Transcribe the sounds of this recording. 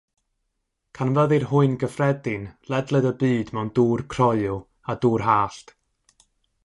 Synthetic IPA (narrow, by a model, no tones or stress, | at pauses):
kʰanvəðɨrɦʊɨnɡəfrɛdɪnlɛdlˠədəbiːdmɛnduːrkʰrɔɨʊ | aduːrhaːɬt